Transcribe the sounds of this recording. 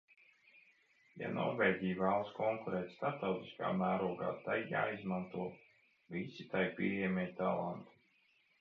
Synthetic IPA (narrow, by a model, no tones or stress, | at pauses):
ja̰nɔ̰ɾvɛːɟʲijvæːlˠskɔŋkuɾɛːt̪ʲst̪ap̚t̪awt̪i̥ska̰ːmæːɾuɔɡa̰ːt̪ajːa̰ːizmant̪uɔ | visit̪ajpʲiɛjɛmʲɛjt̪alˠant̪u̥